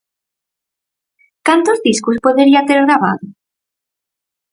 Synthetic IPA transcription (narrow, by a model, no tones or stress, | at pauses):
kant̪ozðiskuspoðeɾiat̪eɾɣɾaβa̰ðo